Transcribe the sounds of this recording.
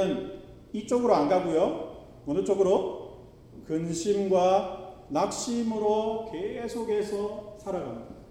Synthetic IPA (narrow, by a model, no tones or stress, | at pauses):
ɯn | it͡ɕ͈oɡɯɾoanɡaɡojo | ʌnɯt͡ɕ͈oɡɯɾo | kɯnɕʰimɡwanak̚ɕ͈imɯɾoke̞sʰoɡe̞sʰʌsʰaɾaɡamɲida